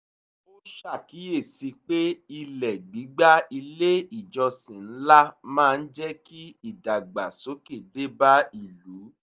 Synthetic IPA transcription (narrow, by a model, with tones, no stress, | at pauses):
o˦ʃa˦˨ki˨˦e˦˨si˧k͡pe˦i˧lɛ˨ɡ͡bi˨˦ɡ͡ba˦i˧le˦i˦˨d͡ʒɔ˧sĩ˨n̩˦la˦mãː˦˧n̩˦d͡ʒɛ˦ki˦i˦˨da˨ɡ͡ba˨so˨˦ke˦˨de˦ba˦i˦˨lu˨˦